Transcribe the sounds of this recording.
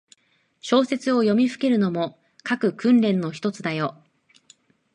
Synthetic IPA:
ɕo̞ːse̞t͡sɨo̞jo̞mʲiɸɯ̟̥ke̞ɾɯ̟no̞mo̞ | kakɯ̟kɯ̟̃nɾẽ̞nːo̞çi̥t̪o̞t͡sɨd̪ajo̞

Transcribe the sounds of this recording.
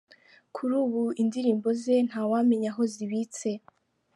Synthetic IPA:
kʰuɾuːβuʔindiɾiːmbo̞ze̞n̥hawame̞ɲaɦo̞ziβiːt͡se̞

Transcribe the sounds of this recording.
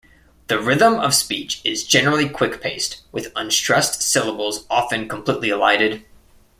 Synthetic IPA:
ðɨɹɪðə̃mʌv̥spit͡ʃɪzd͡ʒɛnə˞l̩ˠikʰw̥ɪkpʰeɪst̚wɨðə̃nstɹ̥ɛstsɪlˠəbl̩ˠzɑfɨ̃nkʰm̩pʰl̥itˡliəlaɪɾɨd̥

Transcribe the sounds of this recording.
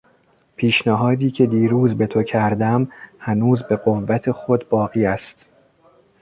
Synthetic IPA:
pʰiːʃnæɦɒːd̪iːcʰe̞d̪iːɾuːzbe̞t̪ʰo̞cʰæɾd̪æmhænuːzbe̞ɢo̞vːæt̪ʰe̞xo̞d̪bɒːɣiːæst̪

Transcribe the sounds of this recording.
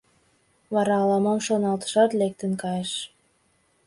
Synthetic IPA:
βɑɾɑːlɑmɑmʃonɑlt̪ə̥ʃɑt̪lek̚t̪ə̆nkɑjeʃ

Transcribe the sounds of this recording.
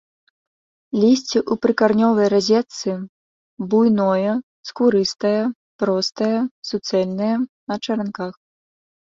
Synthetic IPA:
lʲisʲt͡sʲiʔupɾɨkarnʲɔvɐjrazʲɛt̪sɨ | bujnɔjɐ | skuɾɨst̪ɐjɐ | pɾɔst̪ɐjɐsut̪sɛlʲnɐjɐnɐt͡ʂɐɾankax

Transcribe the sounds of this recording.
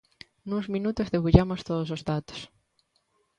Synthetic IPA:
nũŋzmĩnut̪ozðeɣuʎamost̪oðosozðat̪o̥s

